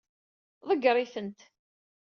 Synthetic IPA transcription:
ðˤəɡːɾˤiθənt̪

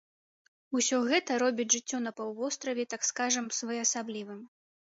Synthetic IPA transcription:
usʲɔɣɛt̪ɐɾɔbʲid͡zʲʐɨt͡sʲːɔnɐpawvɔst̪ɾɐvʲɛt̪akskaʐɐmsvɐjɐsablʲivɨm

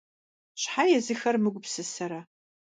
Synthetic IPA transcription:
ɕħajɛzɨxɐrmɨɡʷʊpsɨsɐɾɐ

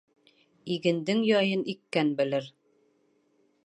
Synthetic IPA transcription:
iɡɘ̆nd̪ɘŋjɒjɤnʔikːænbɘ̆lɘɾ

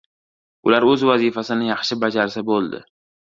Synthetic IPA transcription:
ʊlaɾɵzvazɪfasɪnɪjɑχʃɪbad͡ʒaɾsabolˠd̪ɪ̰

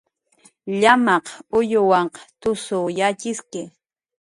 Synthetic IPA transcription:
ʎamɑqʊjʊwɑɴqɑ̥t̪ʊsʊjat͡ʃɪskɪ

